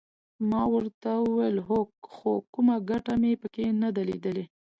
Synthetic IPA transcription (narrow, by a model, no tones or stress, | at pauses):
mɑwəɾt̪awəwelɦokxokumaɡaʈamepəkenad̪alḛd̪əle